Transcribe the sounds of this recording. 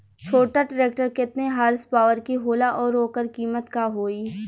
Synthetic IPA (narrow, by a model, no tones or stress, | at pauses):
t͡ʃʰoːʈaʈəɾeːk̚ʈəɾkɪt̪neɦaːɾspaːʋəɾkiɦoːlaʔɔːɾːoːkəɾkiːmət̪kaɦoːiː